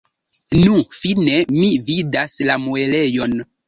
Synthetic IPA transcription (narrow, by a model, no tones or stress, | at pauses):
nũfinemividaslamuelejon